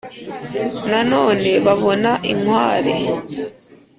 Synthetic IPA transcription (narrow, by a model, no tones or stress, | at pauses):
nano̞ːne̞βaβo̞naʔiŋwaːɾe